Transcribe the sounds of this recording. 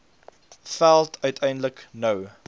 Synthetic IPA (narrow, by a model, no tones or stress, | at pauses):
fælˠtʰœɥtʰɛjndləknəw